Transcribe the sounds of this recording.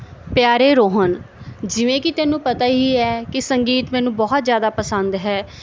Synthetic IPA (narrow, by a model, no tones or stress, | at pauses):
pjaːɾeːɾoːɦənd͡ʒɪʋẽːkɪt̪ɛːnũːpət̪aːɦiːɛːkɪsəŋɡiːt̪mɛːnũːbɔːt̪zjaːd̪aːpəsə̃nd̪ɦɛː